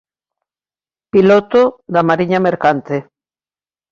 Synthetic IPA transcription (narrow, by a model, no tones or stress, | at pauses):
pilot̪oðamaɾiɲameɾkant̪e